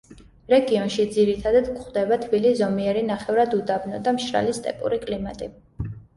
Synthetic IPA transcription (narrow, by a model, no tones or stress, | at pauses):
ɾɛɡiɔnʃid̪ziɾit̪ʰad̪ad̪kχd̪ɛbat̪ʰbiliszɔmiɛɾinaχɛvɾad̪ud̪abnɔd̪amʃɾa̰list̪ʼɛ̰pʼṵɾikʼlimat̪ʼi